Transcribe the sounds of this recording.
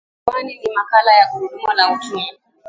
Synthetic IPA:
waninimakalajakuɾuɗumɔlaut͡ʃumi

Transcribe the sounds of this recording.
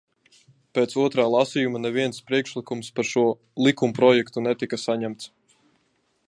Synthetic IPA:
peːt̪suɔt̪ɾaːlˠasijumanɛviɛnspɾiɛkʃlikumspaɾʃuɔ | lˠikumpɾɔjɛkt̪unɛt̪ikasaɲæmt̪s

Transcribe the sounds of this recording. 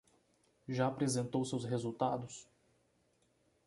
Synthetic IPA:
ʒaːpɾezẽnt̪owsewsɦezut̪ad̪ʊs

